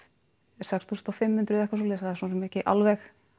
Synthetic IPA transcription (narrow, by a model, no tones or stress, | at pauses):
sɛkst̪ʰuːsnt̪ɔwfɪmːʏnt̪ɾʏðɛhkvasulɛːs̬aasɔːnːsɛmɛhcɪʔa̰lvɛx